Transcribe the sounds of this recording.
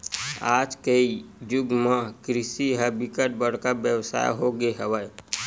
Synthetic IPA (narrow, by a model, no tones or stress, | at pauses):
aːd͡ʒkəid͡ʒʊɡmə̃kɾɪsiɦɛbɪkəʈ̚bəɽ̤kabjəwsa̰ːjɦoɡeɦəʋəj